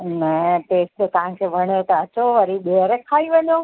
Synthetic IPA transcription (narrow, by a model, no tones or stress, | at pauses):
nɐpeːsd͡ʑ̪ot̪ɐʋ̤ãkʰeːbʱɐɽ̃jot̪ɐɐt͡ɕoʋɐɾiɗeəɾẽkʰaːiʋɐɲjo